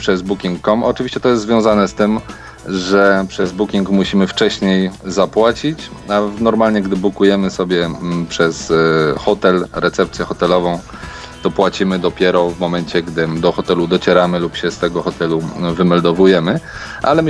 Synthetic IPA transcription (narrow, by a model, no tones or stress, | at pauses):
pʂɛzbukʲiŋkːɔmɔt͡ʂɨvʲiɕt͡ɕɛt̪ɔjɛst̪zvjɔ̃w̃zanɛst̪ɘm | ʐɛpʂɛzbukʲiŋkmuɕimɘft͡ʂɛɕɲejzapwat͡ɕit͡ɕanɔɾmalɲɛɡd̪ɘblukujɛmɘsɔbʲjɛpʂɛsxɔt̪ɛlɾɛt̪sɛp̚t̪sʲjɛxɔt̪ɛlɔvɔ̃w̃ | t̪ɔpwat͡ɕimɘd̪ɔpʲjɛɾɔvmɔmɛɲt͡ɕɛɡd̪ɘd̪ɔxɔt̪ɛlud̪ɔt͡ɕɛɾamɘlupɕɛst̪ɛɡɔxɔt̪ɛluvɘmɛld̪ɔvujɛmɘ | ʔalɛ